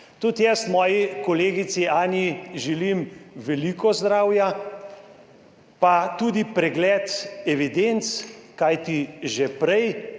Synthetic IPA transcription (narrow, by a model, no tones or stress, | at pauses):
t̪ut̪jɛst̪mɔːjikɔleːɡit̪siaːniʒɛlimʋɛlikɔzd̪ɾaːwja | pat̪ud̪ipɾɛɡlɛːt̪ɛʋid̪ent̪skajt̪iʒɛpɾɛj